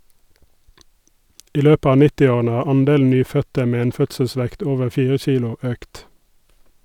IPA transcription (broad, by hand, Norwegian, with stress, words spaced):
ˈiː ˈløːpə ˈɑː ˈnɪtɪˌoːʁənə ˈhɑːʁ ˈɑnˌdeːln̩ ˈnyːˌfœtə ˈmeː ˈeːn ˈfœtsəˌsʋɛkt ˈoːʋəɾ ˈfiːʁə ˈçiːlʊ ˈøːkt